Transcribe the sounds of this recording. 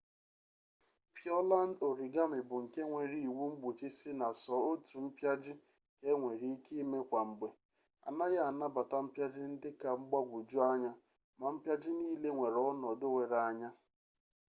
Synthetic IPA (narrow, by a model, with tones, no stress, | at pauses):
pjɔ˦la˦n˦do˨ɾi˨ɡa˦mɪ˨bʊ˨ŋ̩˨ke˦ŋʷe˨ɾi˨i˨wu˦ŋ͡m̩˦ɡ͡bu˨t͡ʃɪ˦sɪ˦na˨sɔ˨o˦tu˨m̩˦pja˦d͡ʒɪ˦ | ke˦ŋʷe˨ɾi˨˦i˦ki˦me˦kʷa˨ŋ͡m̩˨ɡ͡be˨ | a̰˨na˦ɣa˨na˦ba˨ta˦m̩˦pja˦d͡ʒɪ˦n̩˦dɪ˦ka˨ŋ͡m̩˦ɡ͡ba˦ɡʷʊ˨d͡ʒʊ˦a˦ɲa˦ | ma˨m̩˦pja˦d͡ʒɪ˦niː˦le˦ŋʷe˨ɾɔ˦nɔ˨dʊ˦we˨ɾa˨a˨ɲa˦